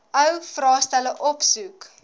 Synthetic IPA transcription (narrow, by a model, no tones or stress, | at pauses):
əwfrɑːstæləʔɔpsuk